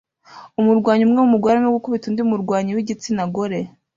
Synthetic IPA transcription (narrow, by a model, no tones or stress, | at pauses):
umuɾɡwaːɲumŋewumuɾɡwaːɾaneɡukoβituːndiumuɾɡwaːɲiwiɟit͡sinaɡo̞ɾe̞